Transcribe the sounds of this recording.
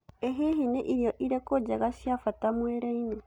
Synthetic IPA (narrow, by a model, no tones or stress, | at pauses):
eɦeɦeneʔiɾjɔʔiɾɛkod͡ʒaɣaʃjafatamwɛɾɛine